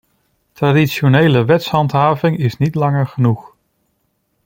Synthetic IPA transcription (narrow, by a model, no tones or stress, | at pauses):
tradiʃonejləʋɛtsɦɑntɦaːvɪŋɪsnitlɑŋəɹχənuχ